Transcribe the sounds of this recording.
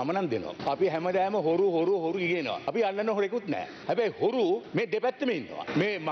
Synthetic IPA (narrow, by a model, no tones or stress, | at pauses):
amɐnand̪ḛn̰a̰ɐpiɦɛmɐd̪æːməɦoɾuɦoɾuɦoɾuɡiɡinə̰ʋa̰ɐpiɐlːɐnːɦoɾekut̪nɛ̰ː | hɛbæjhoɾumeːɖepɛt̪ːəmeinːə̰ʋa̰meːm